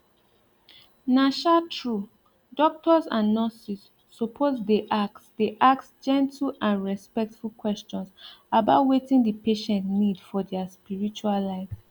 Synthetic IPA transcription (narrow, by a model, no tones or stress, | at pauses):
naʃatʰɹu | dɔk̚tɔzãnːɔsisː | opʰozdeʔak̚sdeʔak̚sd͡ʒɛ̃ntʰlãnɹɛspɛk̚tfulkwɛst͡ʃɔ̃nsabaʊtwetĩŋdəpeʃɛ̃ntnidfɔdɛaspiɹit͡ʃuallaɪfs